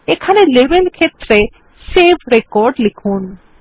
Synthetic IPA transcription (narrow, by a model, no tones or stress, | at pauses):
ekʰanelebenkʰet̪ːɾe | sebʰʱɾekɔɾɖlikʰun